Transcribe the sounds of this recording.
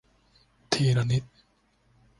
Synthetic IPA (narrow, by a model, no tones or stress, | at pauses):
t̪ʰiːɾanit̪̚